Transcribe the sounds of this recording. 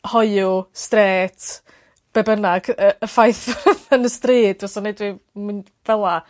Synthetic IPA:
hɔjʊstreːtʰ | b̥ɛbənaɡ̥əəfajθvənəstriːd̥ɔsɔnejdwimɨn | vɛlˠa

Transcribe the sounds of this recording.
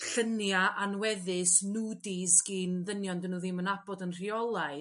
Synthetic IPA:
ɬənjaʔanwɛðɪsnudisɡ̥inðənjɔndənuðɪmənab̥ɔdənr̥iɔlˠaɨ

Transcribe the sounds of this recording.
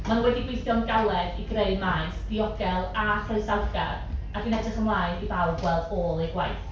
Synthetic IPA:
mannwɛdiɡwɪjθjɔnɡalˠɛðiɡreɨmajsd̥iɔɡɛlˠaχrəɨsawɡa̰raɡinɛdrəχəmlˠaːɨdivawdwɛlˠdɔːlˠiɡwajθ

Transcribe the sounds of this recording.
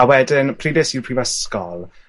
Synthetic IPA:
awɛdɪnpʰriːdɪsipʰriːvɛskɔ̰lˠ

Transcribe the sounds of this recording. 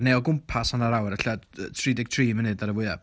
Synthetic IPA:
neɔlˠɡʊmpʰasanaɾawɾaɬaətʰridɪɡ̚tʰriːmənɨdaɾəvwɪða

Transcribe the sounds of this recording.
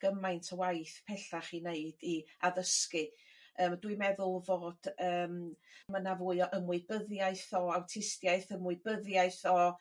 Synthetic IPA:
ɡ̥əmajntʰəwajθpʰɛɬaχineɨdiaðəskɨəːmdwɨmɛðʊlˠvoːd̥əːmmənavʊːɨɔʔəmʊɨbəðjaɨθɔawtʰɪstjaɨθəmʊɨbəðjaɨθɔ

